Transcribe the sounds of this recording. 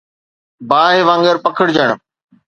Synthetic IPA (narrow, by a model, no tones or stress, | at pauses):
baːɦeʋãːŋɡəɾpəkʰəɽd͡ʑəɳ̃